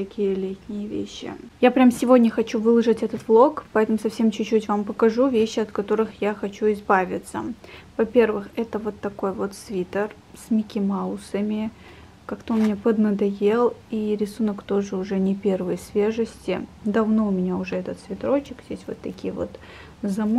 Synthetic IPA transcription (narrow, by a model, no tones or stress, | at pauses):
t̪ɐkʲijəlʲetʲnʲɪjəvʲḛɕːɪ̰japɾʲamsʲɪvo̞dʲnʲəxɐt͡ɕuvɨlˠəʐɨtʲɛt̪ət̪vlˠo̞kpɐɛt̪əmʊsɐfsʲe̞mt͡ɕʉt͡ɕːutʲvampəkɐʐuvʲeɕːɪɐt̪kɐt̪o̞ɾɨxjaxɐt͡ɕuɪzbavʲɪ̰t̪sə̰vɐpʲe̞rvɨxɛt̪əvo̞t̪ːɐko̞jvo̞t̪svʲit̪ər | sʲmʲɪkʲɪmaʊsəmʲɪ | kakt̪onmʲɪnʲapəd̪nəd̪ɐje̞lˠiɾʲɪsunəkt̪o̞ʐɨʊʐɛnʲɪpʲe̞rvəjsvʲeʐɨsʲtʲɪd̪ɐvno̞ʊmʲɪnʲaʊʐɛɛt̪ət̪svʲɪt̪ɾo̞t͡ɕɪkjʲesʲtʲvo̞̰t̪ːɐkʲijəvo̞̰t̪ | zɐm